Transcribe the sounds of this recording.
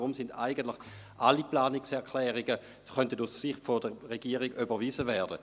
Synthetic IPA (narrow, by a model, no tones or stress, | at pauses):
ʁʊmsɪndaɪɡəntlɪχ | ʔaliplaːniksɛɐkʰlɛːʁiɡə | sχœntətussɪχtfodəʁeɡiːəʁiɡybəʁviːzəvɛːɐdə